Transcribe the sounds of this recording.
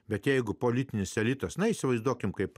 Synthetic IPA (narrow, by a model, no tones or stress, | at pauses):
bʲɛt̪jɛɪɡʊpoːlʲit̪ʲɪnʲɪsɛlʲit̪ɐsnɐiːsʲɪʋɐɪzd̪uɔkʲɪmkɐɪp